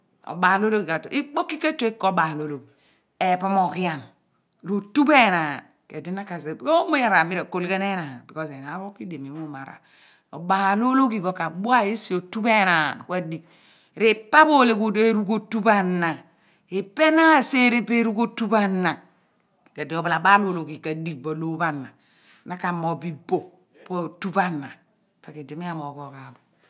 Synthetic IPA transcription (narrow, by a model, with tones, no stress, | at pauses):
o̰˨ba˨lo˦lo˦ki˨ka˨to˨ʔi˦k͡po˦kːi˦ke˦t͡ʃo˦i˦ko˦ba˨lo˦˨lo˨k | e˨po˦mo˨ki˦a˨ŋ | ɾo˨tu˦be˦˨na˨ | ke˨di˦na˦ka˨se˨ko˦mo˦ja˨ɾa˨mi˦ɾe˨ko˨lɡe˦ne˦na˨bi˨kɔ˦se˨na˨˦bo˦ki˦de˨mi˨˦o˦ma˨ɾa̰˨ | o̰˨ba˨lo˦lo˦ki˨bo˨ka˨bu˦a˦e˦si˨o˨tu˦be˦na˨ke˦di˨ | ɾe˨pa˦bo˦le˨ku˦e˦ɾu˦ɡo˦tu˦ba˦na˨ | e˨pe˦na˦˨se˦ɾe˦pe˦ɾu˦ɡo˦tu˦ba˦nːa˨ | ka˨di˨o˨ba˨la˨ba˦lo˦˨lo˨ɡi˨ka˨di˨k̚bo˨lo˦ba˦na˨ | na˦ka˨mo˨bi˦bo˨ | po˦˨tu˦ba˦nːa˨ | pe˨ke˨di˨mi˦a˨mo˨ko˨˦ka˨bo˨